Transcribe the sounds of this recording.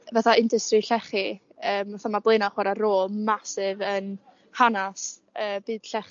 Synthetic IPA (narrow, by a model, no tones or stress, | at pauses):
vaθaɪndəstriɬɛχi | əːmvaθamablˠeɨnaχwaɾaɾoːlˠmasɪvən | hanasəːbɨːd̥ɬɛχ